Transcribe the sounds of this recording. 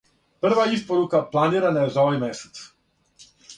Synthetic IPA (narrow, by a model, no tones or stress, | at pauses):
pr̩ʋaispoɾukaplˠaniɾanaezaoʋajmɛsɛ̥t̪s